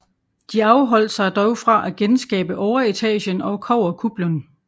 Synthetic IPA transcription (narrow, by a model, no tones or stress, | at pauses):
d̥iɑ̈ʊɦɒ̽l̰d̥sɑ̈ɪd̥ɒʊfʁɑ̈ʔæɡ̥ensɡ̥ɛ̰ːb̥əʔɒʊɐit͡sʰɛ̰ːɕənɒ̽ʊkʰɒʊ̰ɐkʰub̥lon